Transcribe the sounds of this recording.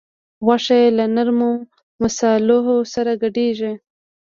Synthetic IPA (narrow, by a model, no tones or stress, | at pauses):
ɣwaʂajelanaɾmo | masɑlʊɦosaɾaɡaɖeʒe